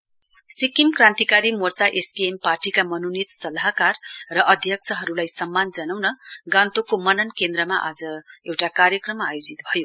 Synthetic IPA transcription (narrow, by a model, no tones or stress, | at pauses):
sikimkrãnt̪ikaɾimort͡saʔeskeemparʈikamʌnonit̪sʌlaɦkarrʌʔʌd̪ʱjʌk̚t͡sʰʌɦʌɾulajsʌmːand͡zʌnawnʌɡãnt̪okomʌnʌnkend̪rʌmaʔad͡zʌewʈakaɾjʌkrʌmajod͡zit̪bʱʌjo